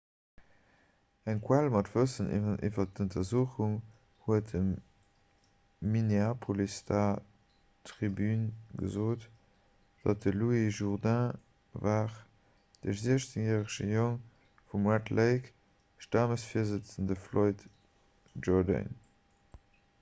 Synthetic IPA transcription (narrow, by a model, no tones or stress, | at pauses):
æŋkʰwalmɑtv̥əsənʔḭʔḭvɐt̚əntʰɐzuːχuŋ | huətəm | ineapʰolistʰa | tʁibynɡə̰zoːt | d̥ɑ̰t̚dəluiʒuʁdæ̃ | vaːʁ | d̥əziʃt͡səŋjɛːʁəʃəjoŋ | fumwatlʔəɪk | ʃtaːməsfiɐzət͡səndəfloɪt | ʒɔʁdə̰n